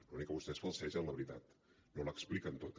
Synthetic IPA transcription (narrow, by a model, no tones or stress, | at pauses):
lunikːəβust̪ɛsfəlˠsɛʒənləβɾit̪at̪ | noləksplikənt̪ot̪